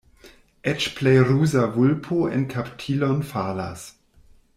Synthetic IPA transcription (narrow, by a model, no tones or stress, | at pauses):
ʔet͡ʃplejɾuzavulpʰoḛnkʰaptʰilonfala̰s